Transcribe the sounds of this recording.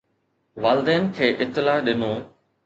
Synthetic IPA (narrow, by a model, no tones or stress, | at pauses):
ʋaːlɪd̪eːnkʰeːʔɪt̪ːɪlaːɗɪnoː